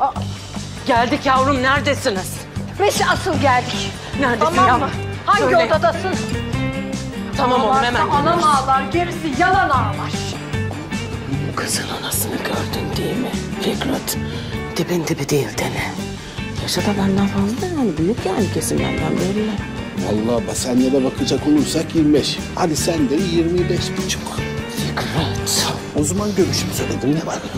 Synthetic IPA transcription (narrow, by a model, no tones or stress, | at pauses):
ɟælʲd̪icjavɾumnæɾd̪esiniz̥ | beʃasɯlˠɟælʲd̪ic | næɾd̪emamahaɲiodad̪asɯn | t̪ʰamamolmemæanamaːlˠaɾɟeɾisijananaːlˠaɾ | ukʰɯz̥ɯnanasɯnɯɟøɾd̪ynd̪ejilmifikɾat̪d̪̥ʰebint̪ʰibid̪ejilʲd̪enɪ | jaʃad̪abænd̪ænfazlˠad̪ahanibyjycjaancʰesimlæ̰nd̪ænbeɾijɛ | va̰lˠːabasænːɛd̪ɛbakʰɯd͡ʒakolˠujsakjiɾmibɛʃ | had̪isænd̪ɛjiɾmiiɾbɛʃbint͡ʃʰokfikʰɾat̪ | ozamanɟøɾyʃymseled̪iminɛvaɾ